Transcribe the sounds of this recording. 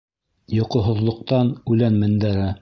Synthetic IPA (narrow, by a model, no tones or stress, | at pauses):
jŏqŏɦŏðlˠŏq̚t̪ɑnʉlænmɘ̆nd̪æɾɘ